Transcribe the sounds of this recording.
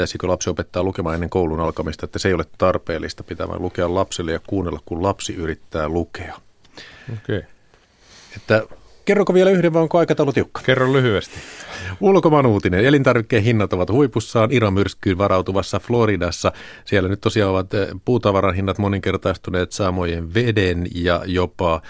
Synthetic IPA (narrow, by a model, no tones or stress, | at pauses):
æysikølɑpsiopet̪ːɑːlukemɑːenːeŋkouwlunɑlkɑmist̪ɑet̪ːæseˑjolet̪ɑrpḛːlːist̪ɑ̥pit̪æ̰mæ̰lukeɑllɑpselːejɑkuːnːelːɑkkullɑpsiyɾit̪ːæːlukeɑ | okei | et̪ːæ | kerːokoʋielæyhdeʋʋɑːoŋkoɑikɑt̪ɑulot̪iukːɑ̥kerːollyhyest̪i̥ulkomɑnuːt̪inenelint̪ɑrʋikːeːɦinːɑt̪oʋɑt̪huipusːɑːniɾɑmyrskˑyːnʋɑɾʔɑuwt̪uʋɑsːɑfloɾidɑsːɑ | sielːænyt̪t̪ːosiɑːoʋɑt̪puːt̪ɑʋɑɾɑnɦinːɑt̪moniŋkert̪ɑist̪uneːt̪sɑmojeʋʋedenjɑjopɑ